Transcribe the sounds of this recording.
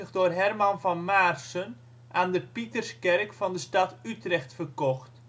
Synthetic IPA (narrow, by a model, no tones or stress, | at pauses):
əxdʊrɦɛrmɑnfɑnmarsən | ʔaːndəpitərskɛrkfɑndəstɑtytrɛxtfərkɔxt